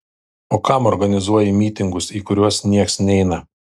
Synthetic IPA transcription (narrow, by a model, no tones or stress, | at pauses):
oːkɐmɔɾɡɐnʲɪzuɔjɪmʲiːt̪ʲɪŋɡʊsiːkʊɾʲuɔsnʲiɛksnʲɛɪnɐ